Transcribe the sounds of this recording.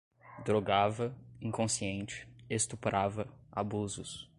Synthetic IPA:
d̪ɾoɡavɐĩkõsiẽnt͡ʃɪ̥est̪upɾavɐa̰buzʊs

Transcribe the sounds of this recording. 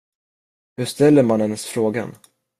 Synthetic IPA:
hɵʂt̪ɛlːəɾmanhɛnːəsfɾoːɡa̰n

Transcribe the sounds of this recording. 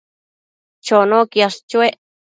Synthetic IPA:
t͡ʃonõkjaʂt͡ʃweʔ

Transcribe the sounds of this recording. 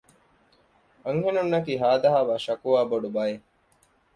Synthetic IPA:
ɐŋhenunːɐkiːɦaːd̪ɐɦaːʋaːʃɐkuʋaːboɖubɐje

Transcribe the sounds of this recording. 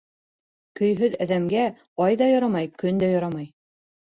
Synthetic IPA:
kɵ̆jɦɵðæðæmɡæ | ɑjðɑjɑɾɑmɑjkɵnd̪æjɑɾɑmɑj

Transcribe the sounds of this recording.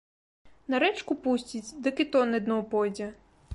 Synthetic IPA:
nɐɾɛt͡ʂkupusʲt͡sʲit͡sʲd̪ɐkɪt̪ɔnɨd̪nɔwpɔjd͡zʲɛ

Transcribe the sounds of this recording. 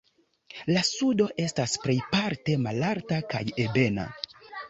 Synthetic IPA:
lasudo̞ʔe̞staspɾe̞jpaɾte̞malaɾtaka̰jebe̞na̰

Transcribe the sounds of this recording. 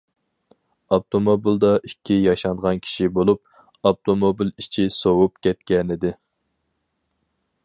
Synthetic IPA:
ɑpt̪ʰomobilˠd̪ɑʔikʲʰːijɑʃɑnʁɑnkʲʰi̥ʃibolˠup̚ | ɑp̚t̪ʰomobilit͡ʃʰisowup̚kʲʰɛt̪kʲɛnɪd̪ɪ

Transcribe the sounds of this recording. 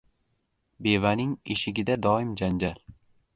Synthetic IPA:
be̞vanɪŋeʃɪɡʲɪd̪ad̪ɒɪmd͡ʒand͡ʒal

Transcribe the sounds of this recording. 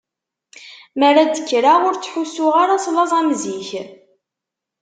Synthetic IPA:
məɾad̪əkːɾaʁʊɾt͡sːħusːʊʁaɾaslɑzˤæmziç

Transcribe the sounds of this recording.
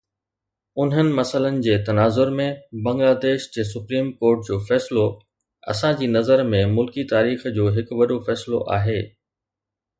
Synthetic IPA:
ʊn̤ɦənɪ̆mɐsələnɪ̆d͡ʑeːt̪ɐnaːzʊɾmẽbɐ̃ŋɡlaːd̪eːʃd͡ʑeːs̬ʊpɾiːmkoːɾʈd͡ʑoːfɛːslo | ɐ̰sãd͡ʑiːnɐzəɾmẽmʊlkit̪aːɾiːxd͡ʑoːɦɪkʋɐɗofɛːslo̰ʔa̰ːɦeː

